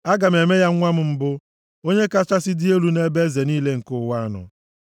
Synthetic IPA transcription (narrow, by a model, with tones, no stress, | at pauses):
a˦ɡa˨m̩˨e˨me˦ja˦ŋʷa˦m̩˦m̩˦bʊ˦ | o˦ɲe˦ka˦t͡ʃa˦sɪ˦dɪ˦e˦lu˦ne˦be˦ze˨niː˦le˦ŋ̩˨kʊ˦˨˦wa˦nʊ̰˨